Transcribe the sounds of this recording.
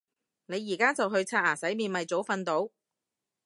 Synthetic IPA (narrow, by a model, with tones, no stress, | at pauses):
ne˨˧jːiː˨˩kaː˥t͡sɐ˨wɦɵ˧ɥt͡sʰaː˧aː˨˩sɐ˨˥jmiː˧nmɐ˨jt͡so˨˥wfɐ˧nt̪o˨˥w